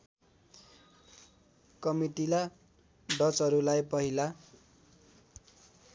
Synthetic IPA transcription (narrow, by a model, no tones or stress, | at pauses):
kʌmiʈila | ɖʌt͡sʌɾulajpʌɦila